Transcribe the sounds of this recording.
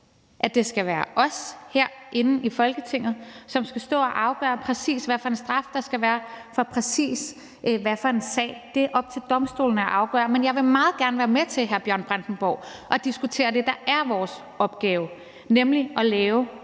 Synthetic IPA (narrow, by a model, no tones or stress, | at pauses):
ʔæd̥e̝sɡ̥æʋæːɐʔɒ̽sheɐ̰ʔe̝nn̩ifɒ̽lɡ̥ət͡sʰe̝ŋ̰ð̩ˠsɒ̽msɡ̥æsd̥ɔ̰̽ːɒʔɑ̈ʊɡ̥ɶ̰ɐpʰʁɛsḭːsʋæfɒ̽e̝nsd̥ʁɑ̈fd̥ɑ̈sɡ̥æʋæːɐfɒ̽pʰʁɛsḭːs | ʔʋæfɒe̝nsɛ̰ːd̥e̝ʔɒ̽b̥̚t͡sʰe̝ld̥ɒ̽msd̥o̝̰ːln̩æɐʔɑ̈ʊɡ̥ɶ̰ɐmenjɑ̈ɪʋe̝mɑ̈ːð̩ˠɡ̥æɐnəʋæːɐmet͡sʰe̝lɦæɐb̥jɶɐ̰nb̥ʁansn̩b̥ɒ̰ʊ̰ʔɒ̽d̥isɡ̥ut͡sʰe̝̰ːɐd̥e̝d̥ɑ̈ʔæɐʋɒːs | ɒ̽b̥̚ɡ̥ɛːʊ | nemliɒ̽lɛːʊ